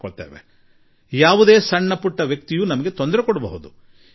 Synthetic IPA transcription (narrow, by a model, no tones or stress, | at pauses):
koɭt̪eːʋḛ | jaːʋud̪e̞ːsɐɳːɐpuʈːɐʋjɐk̚t̪ijuːnɐmɐɡe̞t̪ond̪ɾekɔɽɐbɐɦud̪u